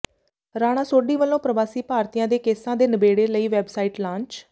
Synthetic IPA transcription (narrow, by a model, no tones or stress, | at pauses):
ɾaːɽ̃ãːsoːɖiːʋəlːõːpɾəʋaːsiːpaːɾt̪ijãːd̪eːkeːsãːd̪eːnəbeːɽeːləiːʋɛːbsaːiːʈlãːɲt͡ʃ